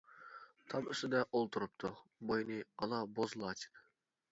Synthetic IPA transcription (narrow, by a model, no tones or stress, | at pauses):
t̪ʰɑmʏst̪ɪd̪ɛʔolˠt̪ʰuɾup̚t̪ʰʊbojnɨɑlˠɑbozlˠɑːt͡ʃʰi̥nɨ